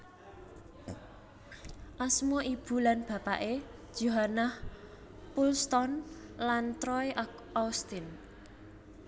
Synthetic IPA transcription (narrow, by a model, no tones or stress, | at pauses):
ʔasmɔʔib̥ṳlanb̥ä̤paʔed̥ʒ̥oɦanah | pulst̪ɔnlant̪ɾɔe | aust̪ɪn